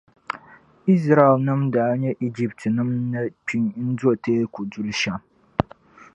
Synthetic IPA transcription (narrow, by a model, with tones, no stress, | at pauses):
ʔɪ˦s̬ɾa˦˨ɛ˨lnɨ˦mdaː˨˦ɲɛ˦ʔi˦d͡ʒi˦p̚tʰnɨ˦mna˦pi˦ŋ˦n̩˦zo˦a˨tʰeː˦kʷu˨dʊ˦lʃa˦m